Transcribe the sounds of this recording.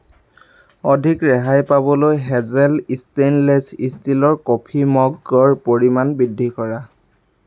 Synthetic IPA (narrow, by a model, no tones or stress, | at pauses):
ɔdʱikɹɛɦajpabɔlojɦɛzɛlistenlɛsistilɔɹkopʰimɔɡɔɹpoɹimanbidʱːikɔɹa